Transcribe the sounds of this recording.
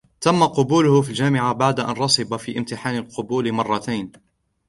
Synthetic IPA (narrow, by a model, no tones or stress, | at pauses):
t̪amːaqʊbuːlʊhʊfild͡ʒaːmɪʕabaʕd̪aʔa̰nɾˤɑsˤɨbafiːʔɪmt̪ɪħaːnalqʊbuːlmɑrˤːɑt̪ajn